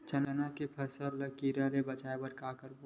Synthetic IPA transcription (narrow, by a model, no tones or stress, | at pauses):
t͡ʃɐnənãkepʰəsəɾləkiɾãɾebət͡ʃaːebəɾkakəɾb